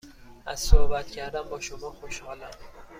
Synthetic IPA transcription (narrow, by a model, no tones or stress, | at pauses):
ʔæz̥sohbæt̪cʰæɾd̪æmbɒːʃomɒːxoʃhɒːlæm